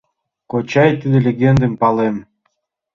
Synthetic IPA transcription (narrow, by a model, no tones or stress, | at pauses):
kot͡ɕɑjt̪ɨd̪ə̆lʲeɡʲend̪əmpɑlem